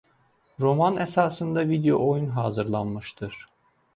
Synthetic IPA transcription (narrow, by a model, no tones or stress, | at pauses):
ɾo̞manesaːsɯnd̪avid̪ejo̞̰ʔojunɦaːzɯɾlˠanmɯʃt̪ʰɯɾ̥